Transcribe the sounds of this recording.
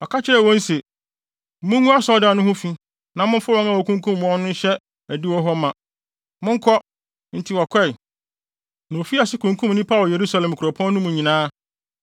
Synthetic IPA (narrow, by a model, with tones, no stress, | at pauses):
ɔ˨ka˦t͡ɕʰɪ˦ɾɛ˨wɔ̃˦n̩˦se˨ | mʊ̃˦ŋũ˦a˦sɔ˦da˨nʊ̃˦hʊ̃˦fi˦ | nã˨mʊ̃˦fʊ˦wɔ̃˦ŋã˦wɔ˨kʰũ˦ŋkʰũ˦m̃ː˨ɔ̃˦nʊ̃˦n̩˦ɕɛ˦ | æ˨di˦wɔ˦ɦɔ˦mã˨ | mʊ̃˦ŋ˦kʰɔ˦ | n̩˨tʰɪ˦˨wɔ˨kʷʰɛ˦˨ | nã˨o˨fi˦a˨sɪ˦kʰũ˨ŋkʰũ˦mnɪ̃˦pʰa˦˨lje˨ɾu˦sa˨˦lɛ̃˨m˨kʰu˨ɾɔ˨pʰɔ̃˦nː˦ʊ̃˦mũ˨ɲĩ˨nãː˦